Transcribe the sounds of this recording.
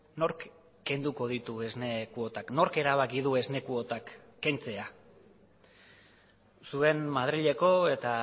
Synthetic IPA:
no̞ɾk | ke̞nd̪uko̞ð̞it̪ue̞znekuo̞t̪akno̞ɾke̞ɾaβ̞akiðue̞zne̞kuo̞t̪akːe̞nt͡se̞a | sue̞nmað̞ɾiʎe̞ko̞e̞t̪a

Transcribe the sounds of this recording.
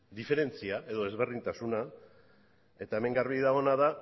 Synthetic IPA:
d̪ife̞ɾe̞nt͡siaʔe̞ðo̞ezβerðint̪asuna | e̞t̪ae̞me̞ŋɡaɾβiðaɣ̞o̞naða

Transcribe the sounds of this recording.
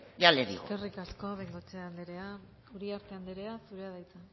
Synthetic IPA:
jaleɾḭkerikasko̞βeŋɡot͡seand̪eɾe̞a | uɾiaɾt̪e̞and̪eɾe̞asuɾe̞aðajt͡sa

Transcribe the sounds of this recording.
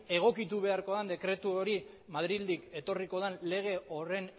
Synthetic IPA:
e̞ɣ̞o̞kit̪uβe̞aɾko̞ðand̪e̞kɾe̞t̪uoɾi | maðɾild̪ike̞t̪o̞riko̞ðanle̞ɣ̞e̞o̞re̞n

